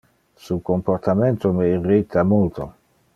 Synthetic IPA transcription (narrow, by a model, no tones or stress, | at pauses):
sukompoɾt̪ament̪omeirit̪ʰːamult̪o̰